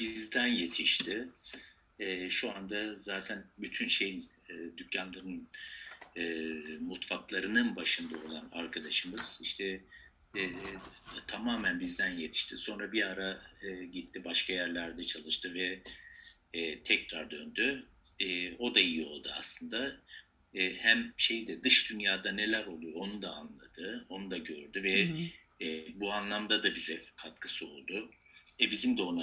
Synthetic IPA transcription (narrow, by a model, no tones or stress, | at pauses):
bizd̪ænje̞t̪ʰiʃt̪ʰɪ | ɛːʃuand̪azaːt̪ʰænbyt̪ʰynʃe̞jin | ɛːd̪ycʰːanlˠaɾɯn | mut̪faklˠaɾɯnɯnbaʃɯnd̪ao̞lˠana̰ɾkʰad̪aʃɯmɯz̥iʃt̪ʰɛ | t̪ʰamaːmænbizd̪ænje̞t̪ʰi̥ʃt̪ʰiso̞nɾabiaɾaɯɟit̪ʰːibaʃkʰajæɾlʲæɾd̪ɛt͡ʃʰalˠɯʃt̪ʰɯvɛ | t̪ʰɛcɾaɾd̪ø̞nd̪yː | o̞d̪aijio̞̰lˠd̪ua̰slˠɯnd̪aː | hæmʃe̞jd̪ɛd̪ɯʃd̪ynjaːd̪ane̞lʲæɾo̞lˠujo̞nud̪aːnlˠad̪ɯo̞nud̪aɟø̞ɾd̪yvɛ | buanlˠamd̪ad̪abizɛkʰat̪̚kʰɯsɯo̞̰lˠd̪ʊ | ɛbizimd̪ɛo̞na